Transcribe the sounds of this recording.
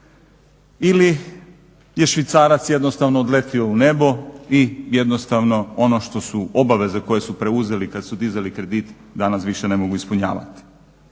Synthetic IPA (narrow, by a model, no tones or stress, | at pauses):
ili | je̞ʃʋit̪saːɾat̪sje̞d̪no̞st̪aʋnoːd̪le̞t̪io̞une̞bo̞ijed̪nost̪aʋno̞ono̞ʃt̪o̞suo̞baʋe̞zeko̞jesupɾe̞uze̞likad̪sud̪izalikɾe̞d̪it̪ | d̪anasʋiʃe̞ne̞mo̞ɡuispuɲa̰ːʋa̰t̪i̥